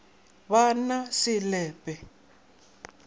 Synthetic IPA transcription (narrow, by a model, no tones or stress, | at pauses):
βanasɪlɛːpʼɛ